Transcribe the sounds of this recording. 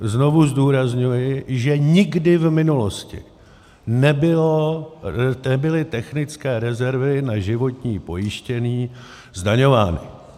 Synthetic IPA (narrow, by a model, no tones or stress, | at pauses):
zno̞vuzduːɾazɲujɪʒɛɲɪɡdɪvmɪnulo̞scɪ̰ | nɛbɪlo | ɛbɪlɪt̪ɛxnɪt͡skɛːɾɛzɛɾvɪnaʒɪvo̞t̪ɲiːpo̞jɪʃcɛniː | zdaɲo̞vaːnɪ̰